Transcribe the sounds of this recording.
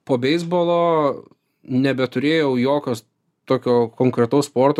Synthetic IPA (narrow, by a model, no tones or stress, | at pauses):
poːbʲɛɪzboːlˠoː | nʲɛbʲɛt̪ʊɾʲeːjɛʊjoːkʲoːs | t̪oːkʲoːkoːŋkɾʲɛt̪ɐʊspoːrt̪o